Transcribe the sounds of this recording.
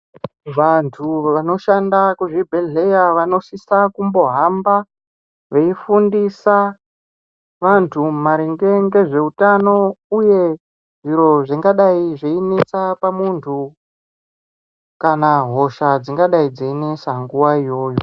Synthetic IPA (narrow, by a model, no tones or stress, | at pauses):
ʋantʰuʋano̞ʃandakuʐibʱeɮe̞jaʋano̞sisakumbo̞ɦamba | ʋe̞ifundisa | ʋantʰumaɾiŋɡe̞ŋɡe̞ʐe̞utano̞uje̞ | ʐiɾo̞ʐiŋɡaɗaiʐeinet͡sapamuntʰu | kanaɦo̞ʃad͡ziŋɡaɗaid͡ziinesaŋɡuʋaijo̞ːjo̞